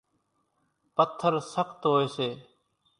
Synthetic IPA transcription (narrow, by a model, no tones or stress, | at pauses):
pət̪ʰːəɾsəkʰt̪ɦoːeːseː